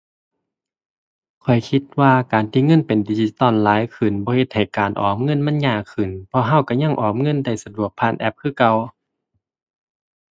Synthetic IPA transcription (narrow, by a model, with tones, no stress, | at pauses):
kʰɔ˨˩jkʰi˧t̪̚waː˧kaː˨˩nt̪ʰiː˧˥˨ŋɤ˧˥˨npe˨ndiː˧t͡ɕi˧t̪ɔ˧˩˨nlaː˨˦jkʰɯ˨˩nbɔː˧˦he˧t̪̚ha˨˩jkaː˨˩nʔɔ̰ː˨˩mŋɤ˧˥˨nma˧˥˨nɲaː˧˩kʰɯ˨˩˨npʰɔ˧ɦa˧˥˨wka˧˩ɲa˧˥˨ŋʔɔː˨˩mŋɤ˧˥˨nda˧˩jsa˧du˧˩ək̚pʰaː˧˥˨nʔɛ˧˥p̚kʰɯː˧˨ka˧˨w